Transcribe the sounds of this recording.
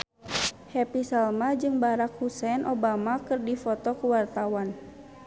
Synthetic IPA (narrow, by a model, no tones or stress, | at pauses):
hɛpisalmad͡ʒɨŋbaɾak̚husɛnʔɔbamakɨrdifɔt̪ɔkuwart̪awan